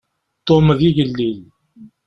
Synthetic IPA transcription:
t̪omðiʝəlːil

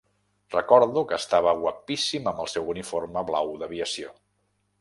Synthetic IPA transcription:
rəkɔɾðukəːst̪aβ̞əɣwəpisiməmbəlˠsɛwuniforməβlawðəβiəsio

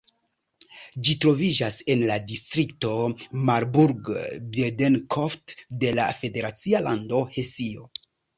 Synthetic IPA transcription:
d͡ʒitɾo̞vid͡ʒase̞nladistɾik̚to̞maɾbuɾɡbedenkʰoftde̞la̰fe̞de̞ɾat͡sialando̞he̞sio̞

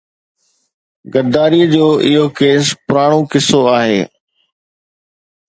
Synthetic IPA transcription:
ɡɐɾd̪aːɾiəd͡ʑoːʔɪɦokeːspʊɾaːɽ̃okɪsoaːɦḛː

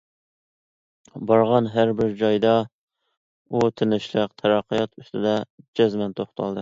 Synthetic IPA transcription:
bɑɾʁɑnɦæɾbɪɾd͡ʒɑjd̪ɑ | ut̪ʰɪnɪʃlˠɨqt̪ʰɛɾɑqʰːəjɑt̪ʰyst̪ʰɨd̪ɛd͡ʒɛzmɛnt̪ʰoχt̪ʰɑ̰lˠd̪ɨ

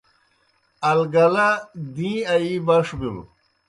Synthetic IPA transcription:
ɐlɡɐlad̪ĩːɐibɐʂbimṵ

